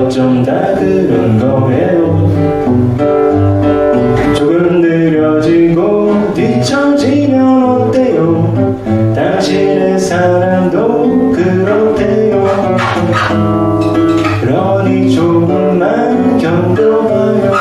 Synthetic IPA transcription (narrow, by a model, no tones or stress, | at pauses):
t͡ɕomda | dɯnɯnɡʌɦejo | t͡ɕoɡɯmnɯɾjʌd͡ʑiɡo | di | t͡ɕʰʌd͡ʑimjʌ | t̪ejo | t̪aŋɕʰinɯnsʰaɾamdo | kɯ | ɾotʰe | jo | kɯɾʌ | nit͡ɕoɡɯmːa | n | kjʌŋdo